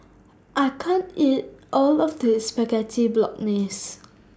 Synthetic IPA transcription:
ʔaɪkʰãnit̚ʔɔlɔfdəspɛɡɛtʰiblɔ̰k̚nes

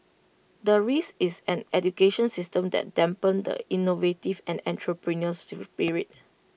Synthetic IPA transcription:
dəɹisisɛ̃nɛdukeʃə̃nsistə̃mdɛ̰t̚dɛ̃mpə̃ndə̰inovetivɛ̃nɛ̃ntʰɹopɹinəspiɹiit̚

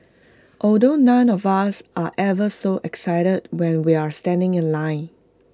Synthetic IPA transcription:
ʔɔldonãnɔvasʔaʔɛvəsoʔɛksaɪɾəd̚wɛ̃nwiastɛ̃ndɪ̃ŋɪ̃nlãɪ̃n

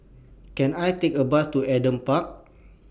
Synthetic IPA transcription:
kɛ̃najt̪ekəbast̪uɛdə̃mpak̚

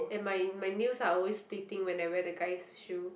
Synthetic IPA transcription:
ɛ̃nmajmajnjusaɔlwesplitĩŋwɛ̃najwɛəɡajsʃu

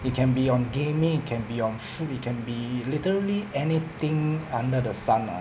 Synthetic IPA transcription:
it̚kʰɛ̃nbiɔ̃nɡẽmĩŋit̚kʰɛ̃nbiɔ̃nfut̚it̚kʰɛ̃nbilitəɹəliɛnit̪ɪ̃ŋãndədəsãna̰

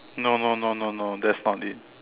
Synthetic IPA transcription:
nononononod̪ɛtsnɔtd̪id̚

